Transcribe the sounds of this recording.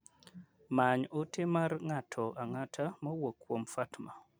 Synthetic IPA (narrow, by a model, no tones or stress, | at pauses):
maɲotɪmaɾŋatʰɔʔaŋatʰamɔwokʰːwomfatma